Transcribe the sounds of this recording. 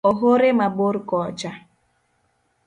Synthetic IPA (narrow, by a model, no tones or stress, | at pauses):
ɔɦoɾemaboɾkɔd͡ʒa